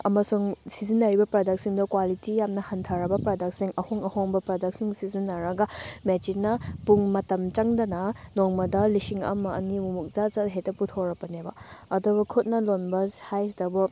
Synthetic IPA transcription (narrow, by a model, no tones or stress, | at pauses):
ɐmɐsuŋsizinːɐɾibɐpɾadɐk̚siŋdɔkwalitijamnɐhɐntʰaɾɐbɐpɾadɐk̚siŋɐhoŋɐhoŋbɐpɾadɐk̚siŋsizinːɐɾɐɡɐmet͡ʃinːɐpuŋmɐtɐmt͡ʃɐŋdɐnɐnoŋmɐdɐlisiŋɐ̰mɐ̰ːnimumuk̚zazaɦetːɐputʰoɾɐpɐnebɐ̰ɐdubɐkʰut̚nɐlonbɐshajs̬dɐbɔ